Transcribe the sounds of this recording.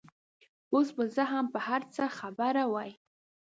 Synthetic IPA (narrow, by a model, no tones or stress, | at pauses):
osbazəɦampəhaɾt͡səxabaɾawaj